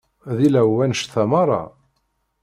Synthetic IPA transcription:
ðilæwːænʃθæmɑɾˤɑ̰

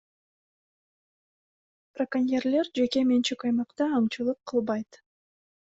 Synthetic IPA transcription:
prɐkanʲjerle̞ɾd͡ʒe̞ke̞ment͡ʃikɑjmɑqt̪ɑːmt͡ʃɯlˠɯqʰːɯlˠbɑjt̪

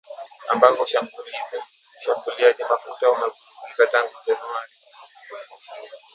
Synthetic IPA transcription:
a̰mbakɔʃauli | uʃambuliaʄimafutaumɛvufuzikataŋɡuʄanuaɾi

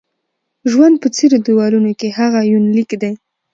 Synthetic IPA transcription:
ʒwand̪̚pət͡seɾod̪iwɑlunokehaɣajunlikd̪aj

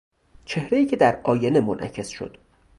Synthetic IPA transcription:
t͡ʃʰe̞hɾe̞iːcʰe̞d̪æɾɒːjenemonʔæ̰cʰe̞sʃo̰d̪̥

